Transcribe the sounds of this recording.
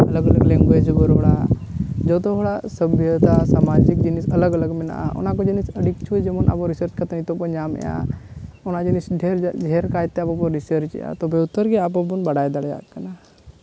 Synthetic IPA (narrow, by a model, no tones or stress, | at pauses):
ɐləɡɐləɡlẽŋɡed͡ʒbəɾoɽad͡ʒot̪oɦoɽasəbʱjət̪asaːmad͡ʒikd͡ʒinisɐləɡɐləɡmina̰ṵnãkod͡ʒinisɐɽikt͡ʃʰud͡ʒemɐna̰poɾisəɾt͡ʃkɐt̪ɐnit̪opɐɲaːmḛja̰onad͡ʒinisɖʱeɾd͡ʒʱeɾkaːit̪ːeapopoɾisəɾt͡ʃja̰t̪obʱeut̪ːəɾɡiap̬obunbɐɽaːjd̪aɽja̰ːkɐna